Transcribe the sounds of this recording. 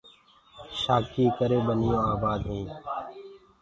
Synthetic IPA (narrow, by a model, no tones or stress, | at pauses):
ʃaːkiːkəɾeːɓənɪjõːaːbaːd̪ɦũː